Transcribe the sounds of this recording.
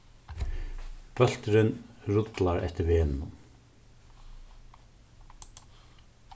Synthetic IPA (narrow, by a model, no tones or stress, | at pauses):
pœl̥t̪ɾɪnɾʊt̪laɾɛ̰ht̪ɪɾveːnnʊ